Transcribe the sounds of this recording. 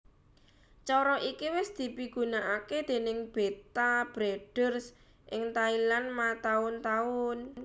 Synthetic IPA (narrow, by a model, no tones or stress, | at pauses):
t͡ʃɔɾɔʔikiwɪsd̪̥i̤piɡ̥unaʔaked̪̥e̤nɪŋb̥et̪ab̥ɾeɖ̥ərs | ʔɪŋt̪ailanmat̪aʊnt̪aʊn